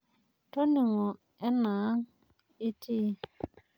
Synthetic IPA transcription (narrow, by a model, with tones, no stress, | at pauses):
to˦ni˨ŋɔ˨ | ɛ˦naː˨˦ŋ | i˦tʰi˦